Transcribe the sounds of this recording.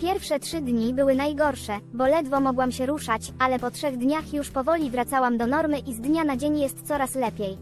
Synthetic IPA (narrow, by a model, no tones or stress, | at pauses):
pʲjɛɾfʂɛtʂɘd̪ɲibɘwɘnajɡɔɾʂɛbɔlɛd̪vɔmɔɡwamɕɛɾuʂat͡ɕalɛpɔtʂɛɣd̪ɲaxjuʂpɔvɔlʲivɾat̪sawamd̪ɔnɔɾmɘʔizd̪ɲanad͡ʑeɲjɛst̪t̪sɔɾaslɛpʲjej